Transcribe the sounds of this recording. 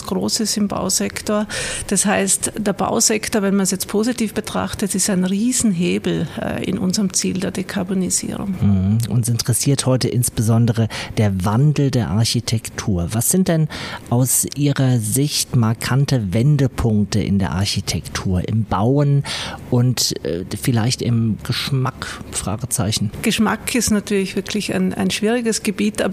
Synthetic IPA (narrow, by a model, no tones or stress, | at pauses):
sɡ̥ʁo̰ːsəsɪmba̰ʊzɛktoːɐd̥ashaɪstd̥eːɐba̰ʊzɛktoɐvɛnmansjɛt͡st̚pʰoːzitiːfb̥ətʁ̥a̰χtətɪstaɪnʁiːzn̩ɦeːbl̩̰ːɪ̰nʔʊ̰nzəʁəmt͡siːldeːɐdekʰaɐbonizḭːʁʊ̰ŋm̩h̩ʔʊnsɪntəʁ̥ɛsiːɐthɔʏtəʔɪnsb̥əzɔndəʁ̞əd̥eːɐvandl̩deːɐʔa̰ɐçitʰɛktʰuːɐvasz̥ɪnt̚d̥ɛnʔaʊsʔiːʁɐzɪçtmaɐkʰantəvɛndəpʰʊŋktəʔɪ̰ndeːɐʔa̰ɐçitʰɛktʰuːɐʔɪ̰mbaʊənʔʊntːfɪlaɪçtɪmɡ̥əʃmakfʁ̥a̰ːɡət͡saɪçn̩ɡ̥əʃma̰kʰɪstnatʰyːɐlɪçv̥ɪɐkʰlɪça̰ɪna̰ɪnʃv̥iːʁɪɡəsɡ̥əbiːtʔaːb